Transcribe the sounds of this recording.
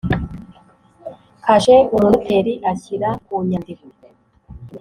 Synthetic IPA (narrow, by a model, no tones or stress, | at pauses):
kaʒeuɾuɾutʰeɾiʔaçiɾakuɲandiko